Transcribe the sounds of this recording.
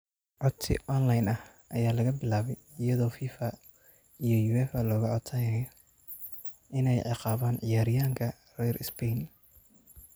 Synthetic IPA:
ʕɔd̪sɪ̰ʔɔnlɐjnɐh | ʔɐjaːlɐɣɐbɪlaːβɛjɪjɐðɔːfiːfɐ | ijɔjuɛfɐlɔːɣɐʕɔd̪sʰɐjɛj | ʔɪnɛjʕɑqɑːβaːnʕɪjaːɾɪjaːŋkʰɐ | rɛjrɪspɛjn

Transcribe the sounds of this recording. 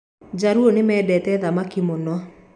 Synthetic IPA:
d͡ʑaɾuonemɛːdɛtɛðamakimonɔ

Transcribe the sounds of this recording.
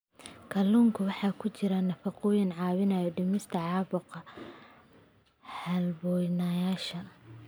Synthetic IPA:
kʰɐluːŋkʰʊwɑħɑːkʰʊt͡ʃɪɾɐnɐfɑqʊjɪnʕɑːwɪnɐjɔɖɪmɪst̪ʰɐʕɑːβʊqɐ | hɐlbɔːjnɐjaːʃɐ

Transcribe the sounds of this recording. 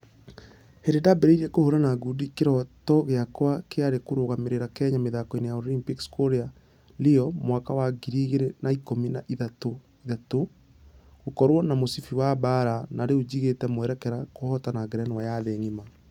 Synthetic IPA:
heɾdedabeɾeiɾekohoɾanaɡudikeɾɔtɔɣeakwakeaɾekoɾoɣameɾeɾakɛɲameðakɔenejaolimpikskoɾea | leɔmwakawaɡiɾiɣeɾenaikominaʔiðato | iðato | ɣokɔɾwɔnamosifiwabaɾanaɾeod͡ʑiɣetɛmwɛɾɛkɛɾakohɔtanaɡɾɛnwajaðeŋima

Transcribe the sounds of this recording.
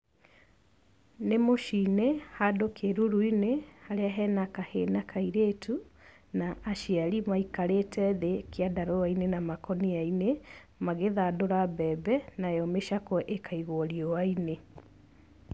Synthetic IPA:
nemoʃinehadokeɾuɾuinehaɾeaɦɛnakahenakʰaiɾetʰu | naʔːʃiaɾimaikaɾetɛðekjadaɾoainenamakɔniaine | maɣeðadoɾabɛbɛnajɔmeʃakɔʔekʰaiɣoɔɾiɔwaine

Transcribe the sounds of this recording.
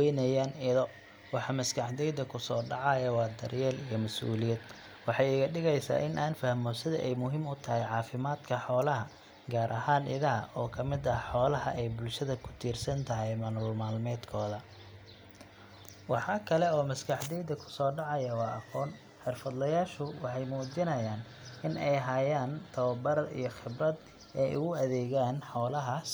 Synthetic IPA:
wɛnɐjaːnɪðɔ | wɑħɑmɐskʰɐħd̪ɛjd̪ɐkʰʊsɔːɖɑʕɑjɐwɑːd̪ɐrjɛːlijɞmɐsʔṵːlɪjɛd̪ | wɑħɑjɪɣɐɖɪɣɛjsa̰ːʔɪnʔaːnfɐhmɔsɪðɐ̰ʔɛjmʊɦiːmʊt̪ʰɐɦɛjʕɑːfɪmaːd̪kʰɐħɔːlɐɦɐ | ɡaːɾʔɐɦaːnʔɪ̰ðɐɦɐʔɔːkʰɐmɪd̪ɐħɔːlɐɦɐ̰ʔɛjbʊlʃɐðɐkʰʊ̥t̪ʰiːrsɐnt̪ʰɐɦɛjmɐnʊːlmaːlmɛːd̪kʰɔːðɐ | wɑħɑːkʰɐlɛɔːmɐskʰɐħd̪ɛjd̪ɐkʰʊ̥sɔːɖɑʕɑjɐwɑːʔɐqɔːn | ħɛrfɐd̪lɐjaːʃʊwɑħɑjmuːd͡ʒɪnɐjaːn | ʔɪnɛjɦɐjaːnt̪ʰɐwɐbɐɾɐd̪ḭjɞxɪbɾɐd̪ | ɛjʔʊ̰ɣʊɐðɛːɣaːnħɔːlɐɦaːs

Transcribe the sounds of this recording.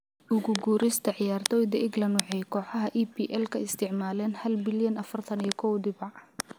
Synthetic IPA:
ʊɣʊɡuːɾɪst̪ʰɐʕɪjaːrt̪ʰɔːjd̪ɐʔɪɡlɐnwɑħɛjkʰɔːħɑɦɐʔiːpiːʔɛlkʰɐɪst̪ʰɪʕmaːlɛːnhɐlbɪljɐnɐfɐrt̪ʰɐnijɐkʰɔwd̪ɪβɑ

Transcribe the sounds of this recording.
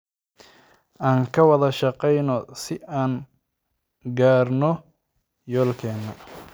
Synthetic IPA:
ʔaːŋkʰɐwɑðɐʃɑqɛjnɔsɪʔaːn | ɡaːrnɔ | jɔːlkʰɛːnːɐ

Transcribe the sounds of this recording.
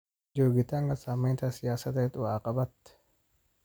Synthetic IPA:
d͡ʒoːɡɪt̪aːŋɡɐsaːmːent̪ɐsɪjaːsɐt̪ɐt̪ʼʊwaːkʼɐbɐt̪ːɛ̥

